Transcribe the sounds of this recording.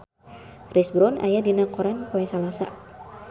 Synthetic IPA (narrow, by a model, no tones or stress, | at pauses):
kɾisbɾɔna̰jadinakɔɾanpoɛsalasa